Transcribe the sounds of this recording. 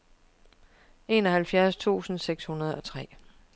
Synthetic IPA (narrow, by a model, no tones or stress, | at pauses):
e̝ːnɒhælfjæɐst͡sʰṵːsn̩seɡ̥shunɐð̞̩ˠɒ̽t͡sʰʁɛ̰ː